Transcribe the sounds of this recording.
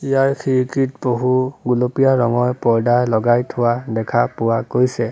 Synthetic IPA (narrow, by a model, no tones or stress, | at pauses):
ijaɹkʰiɹikitboɦuɡulopijaɹɔŋɔɹpɔɹdalɔɡajtʰʊwadɛkʰapʊwakojsɛ